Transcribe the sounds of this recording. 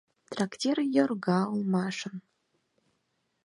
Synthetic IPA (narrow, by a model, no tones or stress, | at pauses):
t̪raktʲerjorɣɑolˠmɑʂɤ̆n